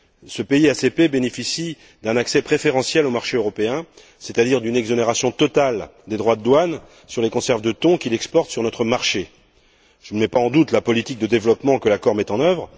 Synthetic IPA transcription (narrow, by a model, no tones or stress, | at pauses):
səpeiasepebenefisi | d̪ɛ̃naksɛpχefeʁɑ̃sjɛlomaʁʃeøʁɔpeɛ̃ | set̪ad̪iʁd̪ynɛɡzɔneʁasjɔ̃t̪ɔt̪ald̪ed̪ʁwad̪əd̪wan | syʁlekɔ̃sɛʁvd̪ət̪ɔ̃kʲilɛkspɔʁt̪syʁnɔt̪χəmaʁʃe | ʒ̥ənəmɛpaɑ̃d̪ut̪lapɔlit̪ik̚d̪əd̪evlɔpmɑ̃kəlakɔʁmɛt̪ɑ̃nœvʁ